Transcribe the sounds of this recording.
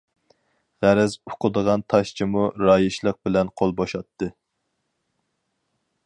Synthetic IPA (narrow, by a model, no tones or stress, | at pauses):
ʁæɾɛzoqʰʊd̪əʁɑnt̪ʰɑʃt͡ʃʰimuɾɑːjiʃlˠəq̚bɪlɛnqʰolˠboʃɑt̪ʰːɨ